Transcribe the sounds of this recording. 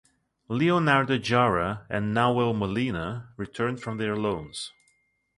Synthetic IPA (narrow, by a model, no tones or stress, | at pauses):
lionaɹdəd͡ʒaɹəɨ̃nːawɛlˠməlinəɹitʰɜ̃˞nd̥fɹʌ̃mðə˞lõʊ̃nz̥